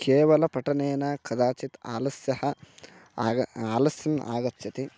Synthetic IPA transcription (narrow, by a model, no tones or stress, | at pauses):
keːʋɐlɐpɐʈɐneːnɐkɐd̪aːt͡ʃit̪a̰ːlɐsjɐhɐ | aːlɐsjɐna̰ːɡɐt̪jɐt̪i